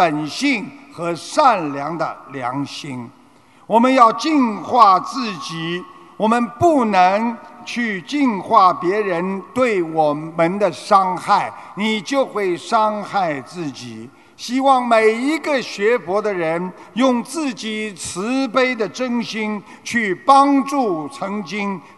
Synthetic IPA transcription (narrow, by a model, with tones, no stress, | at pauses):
pə˨˩nɕi˥˩ŋxɤ˧˥ʂa˥˩nljɑ˧˥ŋd̪ə̰˨ljɑ̰˧˥ŋɕi˥ŋ | wɔ˨˩mə˦njɑ˥˧ʊt͡ɕi˥˧nxwa˥˧t͡sɹ̩˥˩t͡ɕi˨˩˦ | wɔ˨˩mə˦npu˥˩nə˧˥ŋt͡ɕʰy˥˧t͡ɕi˥˧nxwa˥˩pjɛ˧˥ɻə˧˦nt̪we˥˩ɪwɔ˨˩mə˦nd̪ə˨ʂɑ˥ŋxa˥˩ɪ | ni˨˩t͡ɕjo˥˧ʊxwe˥˩ɪʂɑ˥ŋxa˥˧ɪt͡sɹ̩˥˩t͡ɕi˨˩˦ | ɕi˥wɑ˥˩ŋme˨˩ɪi˧˥ɡə˧ɕɥɛ˧˥fwɔ˧˥d̪ə˧ɻə˧˦˥n | jʊ˥˧ŋt͡sɹ̩˥˩t͡ɕi˨˩t͡sʰɹ̩˧˥pe˥ɪd̪ə˨ʈ͡ʂə˥ŋɕi˥ŋ | t͡ɕʰy˥˩pɑ˥ŋʈ͡ʂu˥˩t͡sʰɤ˧˥ŋt͡ɕi˥ŋ